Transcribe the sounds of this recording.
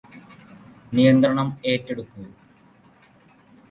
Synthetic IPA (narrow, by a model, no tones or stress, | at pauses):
nijɐnd̪ɾɐɳɐme̞ːtːeɽukːu